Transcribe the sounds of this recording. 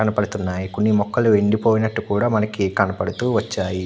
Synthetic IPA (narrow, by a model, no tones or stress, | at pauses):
ɐnɐpɐɽut̪unːaːjiko̞nːimɔkːɐluʋe̞ɳɖipo̞ːjinɐʈːukuːɽaːmɐnɐkikɐnɐpɐɽut̪uːʋɐt͡ʃːaːji